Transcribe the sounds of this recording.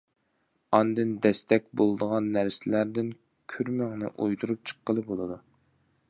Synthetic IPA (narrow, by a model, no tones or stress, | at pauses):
ɑnd̪ɨnd̪ɛst̪ɛkʲbolˠd̪əʁɑnːæɾsɪlæɾd̪ɪn | kʲʰyɾmæŋnɪ̰ʔujt̪uɾup̚t͡ʃʰə̥qːəlˠɨbolˠɨd̪u